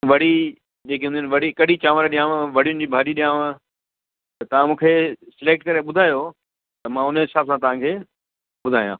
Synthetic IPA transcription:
ʋɐɽ̤i | d͡ʑeːk̬eɦʊnd̪jʊnʋɐɽikɐɗit͡ɕaːʋəɾɗijãːʋ̃ʋɐɽ̤ijʊnɪ̆d͡ʑiːbʱaːɗiɗijãːʋ | t̪ɐʋ̤ãmũːkʰeːsɪleːk̚ʈ̚kɐɾeɓʊd̪ʱaːjo | t̪ɐmãʊnsaːbsãt̪ɐʋ̤ãkʰeː | ɓʊd̪ʱaːjãː

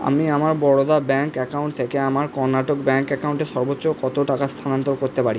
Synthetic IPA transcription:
a̰miamaɾbɔɽod̪abɛŋkɛkawɳʈ̚t̪ʰekeamaɾkɔɾnaʈokbɛŋkɛkawɳʈeʃɔɾbotːɕokɔt̪oʈakast̪ʰanant̪oɾkoɾt̪epaɾi

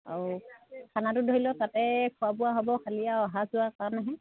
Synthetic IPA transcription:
a | kʰanatʊdʱoɦilɔtatɛkʰuabʊwaɦɔbɔkʰalijaɔɦazʊakanaɦɛ̃

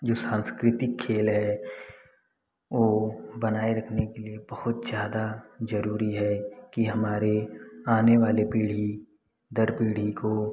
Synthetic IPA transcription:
d͡ʒoːsãːnskɾɪt̪ɪkʰːeːlɦɛ | ʋoːbɐnaːeɾɐkʰnekeliebɐhʊt̪zjaːd̪azɐɾuːɾiɦɛkiɦɐmaːɾeaːneʋaːlepiːɽ̤i | d̪ɐɾpiːɽ̤iko

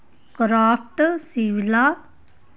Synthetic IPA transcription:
kɾaːpʰʈsiʋila

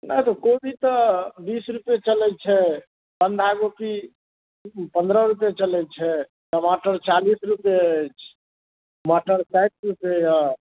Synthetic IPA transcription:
na̰jt̪ɔkobʱit̪ɔbisɾupjet͡ʃəlɛt͡ʃʰɛ | pənd̪aɡopi | pə̃nd̪ɾəɾupjet͡ʃəlɛt͡ʃʰɛ | jəmaʈəɾt͡ʃalisɾupeət͡ʃʰ | mɔʈəɾsajt̪̚ɾupjeja

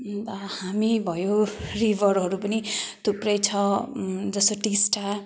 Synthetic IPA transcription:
ʌhamibʱʌjoribʱʌɾɦʌɾupʌnid̪̥ʱuprʌjt͡sʰʌd͡zʌst̪oʈisʈa

